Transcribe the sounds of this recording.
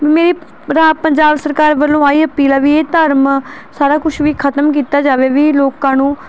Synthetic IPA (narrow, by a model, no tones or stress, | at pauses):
ʋiːmeːɾiː | ɾaːpəɲd͡ʒaːbsəɾkaːɾʋəlːõːaːiːəpiːlaːʋiːeːt̪əɾmsaːɾaːkʊʃʰʋiːkʰət̪əmk̬iːt̪aːd͡ʒaːʋeːʋiːloːkãːnũː